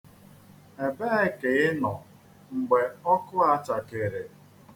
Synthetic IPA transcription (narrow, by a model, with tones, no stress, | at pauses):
e˨be˦ɪ˦ke˨˦ɪ˦nɔ˨ | ŋ͡m̩˨ɡ͡be˨ɔ˦kʊ˦a˨t͡ʃa˨ke˨ɾe˨